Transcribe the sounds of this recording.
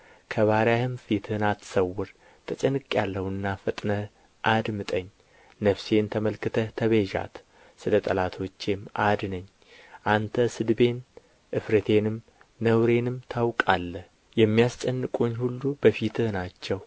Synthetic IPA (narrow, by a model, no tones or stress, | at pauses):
kʰəβaɾjahɨmfit̪ʰɨhnat̪səwːʊɾ | t̪ʰət͡ʃʼɛnɨkʼːjalːəhuɨnːafɨt̪ʼnə | ʔad̪mɨt̪ʼəɲː | nəfse̞nt̪ʰəməlkɨt̪ʰət̪ʰəβeʒa̰t̪ | sɨlət̪ʼəlat̪ʰo̞t͡ʃːemʔad̪nəɲː | ʔant̪ʰəsɨd̪be̞n | ʔɨfɾət̪ʰe̞nɨmː | əwɾe̞nɨmt̪ʰawkʼalːəh | jɛmːijast͡ʃʼənːɨkʼuɲːhulːubəfit̪ʰɨhnat͡ʃːɛw